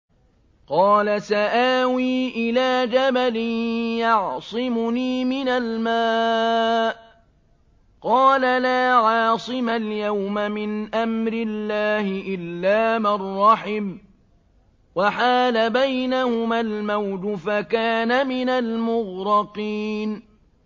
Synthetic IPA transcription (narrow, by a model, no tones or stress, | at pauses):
qɑːlasaʔaːwiːʔɪlaːd͡ʒabalɪnjɑʕsˤɨmʊniːmɪnalmaː | ʔ | qɑːlalaːʕɑːsˤɨmaljawmamɪnʔamɾɪlːaːhɪʔɪlːaːmɑrˤːɑħɪm | waħaːlabajnahʊmalmawd̪ʊfakaːnamɪnalmʊɣɾɑqiːn